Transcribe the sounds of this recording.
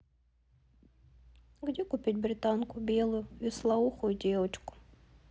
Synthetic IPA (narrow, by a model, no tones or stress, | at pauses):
ɣdʲɛkʊpʲit̚ʲbɾɪt̪ankʊbʲɛlˠʊjʊislˠauxʊjʊdʲɛwɐt͡ʃkʊ̥